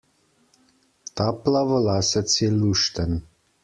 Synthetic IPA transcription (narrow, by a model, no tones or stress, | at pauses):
t̪aplavəlaːsət̪sjɛlːuʃt̪ən